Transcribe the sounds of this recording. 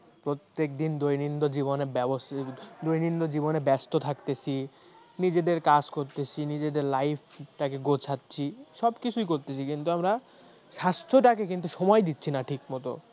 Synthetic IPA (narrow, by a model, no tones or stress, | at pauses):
pɾot̪ːek̚d̪ind̪ojnind̪od͡ʑibonebɛbosd̪ojnind̪od͡ʑibonebɛst̪ot̪ʰakt̪et͡ɕʰi | nid͡ʑed̪eɾkad͡ʑkoɾt̪et͡ɕʰinid͡ʑed̪eɾlajpʰʈakeɡot͡ɕʰatːɕʰiʃɔbkit͡ɕʰujkoɾt̪et͡ɕʰikint̪uamɾa | ʃast̪ʰoʈakekint̪uʃɔmɔjd̪it̪ːɕʰinaʈʰikmɔt̪o̰